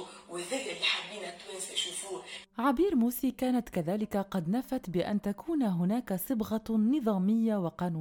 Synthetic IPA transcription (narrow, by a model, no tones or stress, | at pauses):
wɪðɪlːɪlːiħamːiːnat̪ːweːsiʃuːfuːʕabiːɾmuːsiːkaːnat̪kaðaːlɪkaqɑd̪nafat̪bɪʔa̰nt̪akuːnɦʊnaːkasˤɨbɣanɨðˤɑːmɪjːawɪqɑːnuː